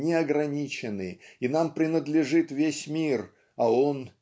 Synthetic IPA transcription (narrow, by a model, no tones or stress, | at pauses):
nʲɪɐɡɾɐnʲit͡ɕɪnɨinampɾʲɪnəd̪lʲɪʐɨt̪vʲesʲmʲir | ɐo̞n